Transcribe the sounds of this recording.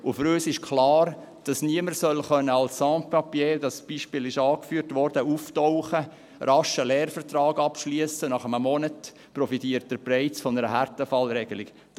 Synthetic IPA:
ʊfʏɾøːsɪʃkʰlɑːɾ | d̥ɑsniəməɾsœlχœnːəɑlsːɑ̃ːt̚pɑpjeːdɑsb̥iːʃpɪːlɪʃɑːkfyːɾtʋɔɾd̥əuftɔʊχə | rɑʃəlɛːrfərtrɑːɡɑpʃliəsənɑχəməmɔnət | pɾɔfitiəɾt̚d̥əɾprɛɪsfɔnəɾəɦærtəfɑlɾɛɡəlɪk | d

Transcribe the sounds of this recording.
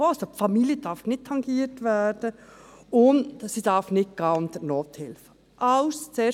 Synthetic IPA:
osopfɑmiljəd̥ɑɾfnɪt̚tʰːɑŋɡiːətʋæːɾd̥ə | ʊndsid̥ɑɾfnɪt̚ɡ̥ɑːʊnt̪ənoːt̪hɪlfə | ʔɑʊst͡seː

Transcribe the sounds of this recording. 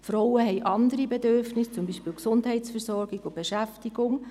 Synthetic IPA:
fɾɔwəɦɛjʔɑnd̪əɾibɛdørfnɪst͡sʊmbiʃpɪːlksʊndɦɛɪtsfɛɾsɔɾɡ̥iɡʊb̥eʃæftiɡ̥ʊŋ

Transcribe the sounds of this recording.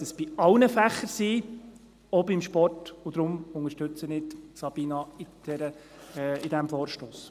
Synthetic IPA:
təsb̥iɑlnəfæχːəɾsiː | ɔbɪmʃpɔrtʊd̪̥ɾʊmʊŋəʃtɵt͡sənɪtsɑb̥iːnɑɪd̥ɛɾə | ɪdɛmfɔːɾʃtoːs

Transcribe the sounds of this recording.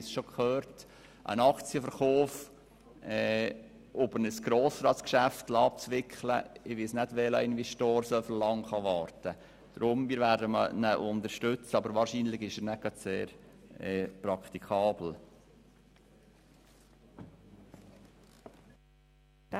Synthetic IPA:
sʃokʰχøːɾt | ʔə̰nɑkt͡siəfəɾχɔːf | ɛː | ʔobənəsɡ̥ɾoːsɾɑːtskʃæftlɑp̚t͡sʋɪkχlə̰ɪʋɪsnædʋɛləɪnʋɛʃtoːɾsœfəllɑŋχɑʋɑːɾtə | d̪̥ɾʊmmiːɾʋæːɾdəmənəʔʊnd̪əɾʃtʉt͡səɑbəɾʋɑːɾʃinlɪɡɪʃɛnæɡ̥ɑdseːɾɛːpɾɑkt̪ikʰɑːbl̩

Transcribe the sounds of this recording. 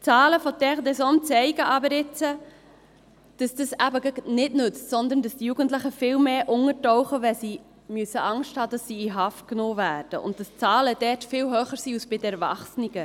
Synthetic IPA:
t͡sɑːləfɔdɛʁdɛsɔnt͡sɛɪɡəʔɑbəɾɪt͡sə | d̥ɑsd̥əsæbəɡəɡnɪdnʏt͡stsɔnd̪əndɑsd̥ijuɡ̥ənt̬lɪχəfɪːlmeːʔʊŋəɾtɔʊχəʋɛsi | myəsəʔɑŋʃthɑːd̥ɑsːiːiɦɑft̚knoːvæːɾd̥əʔʊ̰ntd̥ɑst͡sɑːləd̥ɛtfɪlɦøːχəɾsiːusb̥ɪdəɛɾvɑ̰χsniɡə

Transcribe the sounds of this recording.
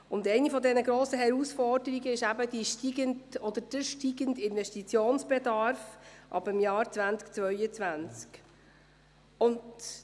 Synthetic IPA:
ʊndɛɪnifɔdɛnəɡɾoːsəɦɛɾusfɔɾdəɾiɡəɪʃæbədiʃtiɡəndɔd̪əd̥əʃtiɡəndɪnvɛʃtit͡sjoːnsb̥ɛd̪ɑɾfʔɑ̰bɪmjɑːɾt͡svænt͡skt͡svœʏət͡svænt͡sk | ʊnd

